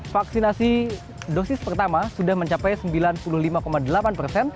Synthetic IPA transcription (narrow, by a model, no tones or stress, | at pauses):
faksinasi | dosɪspərt̪amasudahməɲt͡ʃapɛjsəmbilanpuluhlimakomadəlapanpərsɛn